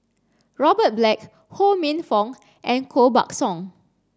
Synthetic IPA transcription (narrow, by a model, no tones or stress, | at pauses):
ɹɔbət̚blɛk̚ | homẽnfɔ̃ŋ | ʔɛ̃nkʰoba̰k̚sɔ̃ŋ